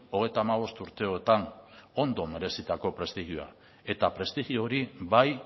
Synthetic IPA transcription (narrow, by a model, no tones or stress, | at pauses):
o̞ɣ̞e̞jt̪aːmaβo̞st̪uɾt̪e̞o̞et̪ano̞nd̪o̞me̞ɾe̞sit̪ako̞pɾe̞st̪iɣioa̰ | e̞t̪apɾe̞st̪iɣio̞ɾiβaj